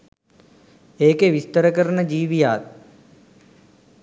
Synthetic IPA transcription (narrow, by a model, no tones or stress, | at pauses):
eːkeʋɪst̪əɾəkəɾnəd͡ʒiːʋijaːt̪̚